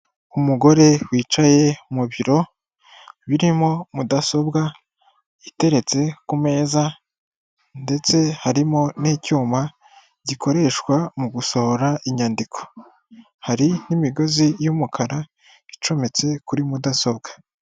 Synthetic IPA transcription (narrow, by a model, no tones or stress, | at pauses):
umuɡo̞ɾe̞wiːt͡ʃaje̞muβiɾo̞ | βiɾimo̞mudaso̞bɡa | ite̞ɾe̞t͡se̞kume̞ːza | nde̞t͡se̞haɾimo̞nicuːma | ɟikʰo̞ɾe̞ʃkwamuɡuso̞hoɾaʔiɲaːndikʰo̞̥ | haɾinimiɡo̞zijumukʰaɾa | it͡ʃo̞me̞t͡se̞kuɾimudaso̞b̚ɡḁ